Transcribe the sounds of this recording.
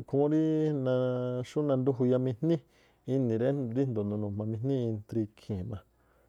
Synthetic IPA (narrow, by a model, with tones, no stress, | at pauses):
kʰũ˧˦ɾi˦nã˧ʃu˦nã˧nd̪u˦ɦu˧ja˧mĩ˧n̥nĩ˦ | i˧nĩ˨ɾe˦ɾi˦nd̪o˨nũ˧nũ˨m̥ã˧mĩ˧nnĩ˦i˧nt̪ɾi˧kʰĩ˨mã˧